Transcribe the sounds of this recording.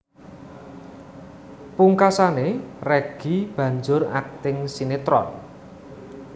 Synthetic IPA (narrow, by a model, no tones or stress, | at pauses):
puŋkasanerɛɡ̥ib̥ä̤ɲd͡ʒʊra̰k̚t̪ɪŋsinet̪ɾɔ̰n